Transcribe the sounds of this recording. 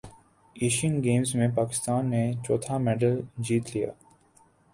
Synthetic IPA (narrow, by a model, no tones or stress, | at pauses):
eːʃənɡeːmzmẽpaːkɪ̥st̪aːnːet͡ʃɔːt̪ʰamɛːɖəld͡ʒiːt̪lija̰ː